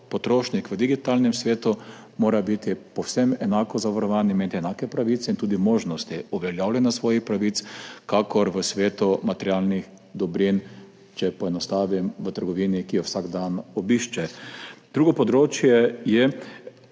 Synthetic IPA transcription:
pɔt̪ɾoːʃnikʋəd̪iɡit̪alnɛmsʋeːt̪u | moːɾabit̪ipɔwsɛmɛnaːkɔzaʋaɾɔʋaːniment̪iɛnakɛpɾaʋiːt̪sɛint̪uːd̪imoːʒnɔst̪iɔʋɛljawlʲɛnasʋɔːjixpɾaʋit̪skakɔɾʋəsʋeːt̪umat̪ɛɾjaːlnix | d̪ɔbɾin | t͡ʃɛpɔɛnɔst̪aːʋimʋət̪əɾɡɔʋiːnikijɔwsaɡd̪anɔbiʃt͡ʃɛd̪̥ɾuːɡɔpɔd̪ɾoːt͡ʃjɛjɛ

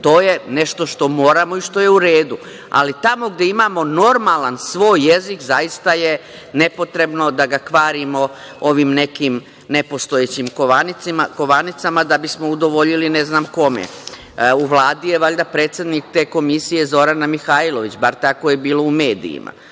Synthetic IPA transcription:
t̪o̞ːje̞ne̞ʃt̪o̞ʃt̪o̞moːɾamo̞iʃt̪o̞jeuɾeːd̪u | a̰lit̪amo̞ɡd̪e̞imaːmo̞no̞ɾmalansʋo̞ːjːezikzajist̪aje | ne̞po̞t̪ɾe̞bno̞d̪aɡakʋaːɾimo̞ | oʋimne̞kim | nepo̞st̪oet͡ɕimkoaniikoʋanit̪samad̪abismo̞ud̪o̞ʋo̞ʎilineznaːmko̞mḛ | uʋlˠaːd̪ijeʋaʎd̪apɾeːt̪sje̞d̪nik̚t̪e̞ːko̞misije̞zo̞ɾanamixaːilo̞ʋit͡ɕbaɾt̪ako̞jebiːlo̞ume̞ːd̪ḭḭmʔa̰

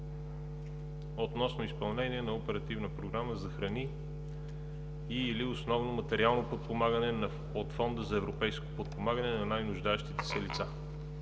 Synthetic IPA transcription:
ot̪nɔsnoispɐlˠnɛniɛnɐopɛɾɐt̪ivnəpɾoɡɾaməzɐxɾɐni | iːliosnɔvnomɐt̪ɛɾialˠnopot̪̚pomaɡənɛnɐ | ot̪fɔnd̪əzɐɛvɾopɛjsko̥pot̪̚pomaɡənɛnɐnajnʊʒd̪aɛʃt̪it̪ɛ̥sɛlit̪sa

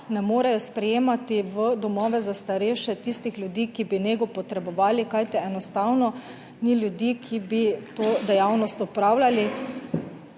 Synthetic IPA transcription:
nɛmoːɾajɔspɾɛjeːmat̪iʋəd̪ɔmɔːʋɛzast̪aɾɛʃɛt̪ist̪ixljud̪iːkibineɡɔpɔt̪ɾɛbɔʋaːlikajt̪ɛɛnɔst̪awnɔ | nilʲjud̪iːkʰibit̪oːd̪ɛjawnɔst̪ɔpɾaːwlʲali

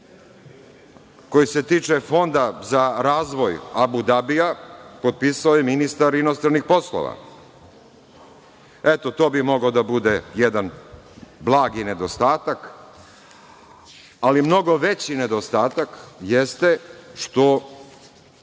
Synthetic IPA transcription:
ko̞jiset̪iːt͡ʂefo̞nd̪azaɾaːzʋo̞jabud̪abijapo̞t̪̚piːsaojeminist̪aɾinost̪ɾanixpo̞slˠo̰ʋa̰ | et̪o̞t̪o̞ːbimo̞ɡaod̪abud̪ejed̪an | blˠaːɡine̞d̪o̞st̪aːt̪ak | alimno̞ɡo̞ʋet͡ɕined̪o̞st̪aːt̪akjest̪eʃt̪o̞

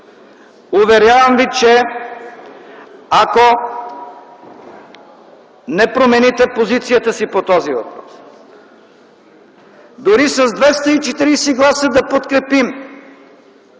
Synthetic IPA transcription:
ʊvɛɾʲjavəmvit͡ʃɛ | ako | nɛpɾomɛnit̪ɛpozit̪sijət̪əsipot̪ɔzivɐpɾɔs | d̪ʊɾisɐzd̪vɛst̪əit͡ʃɛt̪iɾiːsɛɡlˠasəd̪ɐpot̪kɾɛpim

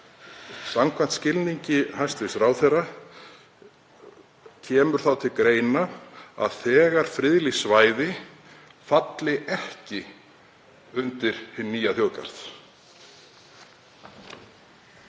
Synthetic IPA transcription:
samkʰvan̥t̪scɪlniɲcɪɦajst̪vɪsɾaːwθɛrːa | cʰɛːmʏɾ̥θawt̪ʰɪlkɾeːjnaa̰ðθɛːɣaɾ̥fɾɪðlisvaːjðɪ | fat̪lɪʔɛhcɪ | ʏnt̪ɪɾ̥hɪnːiːjaθjoːwka̰ɾ̥θ

